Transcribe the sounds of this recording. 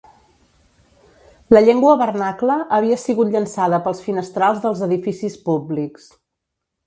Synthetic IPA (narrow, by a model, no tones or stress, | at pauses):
ləʎeŋɡwəβərnakləʔːβ̞iəsiɣut̪ʎənsaðəpəlˠsfinəst̪ɾalˠzðəlˠzəðifisispubliks